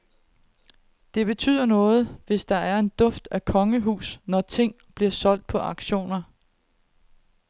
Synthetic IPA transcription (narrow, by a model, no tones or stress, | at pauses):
d̥e̝b̥e̝t͡sʰy̰ð̰ˠɐnɔ̽ːð̞̩ˠʋe̝sd̥ɑ̈æɐe̝nd̥ɔ̽fd̥ækʰɒ̽ŋəɦṵːsnɒt͡sʰe̝ŋ̰ | b̥liɐsɒ̽l̰d̥̚pʰɒ̽ʔɑ̈ɡ̥ɕo̝̰ːnɐ